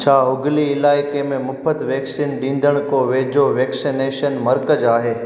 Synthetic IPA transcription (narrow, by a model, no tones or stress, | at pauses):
t͡ʃʰaːɦʊɡliɪlaːɪkemẽmʊpʰət̪ʋeːksiːnɗĩːn̆d̪əɽ̃koʋeːd͡ʒoʋeːksineːʃənmɐɾkəd͡ʒaːɦeː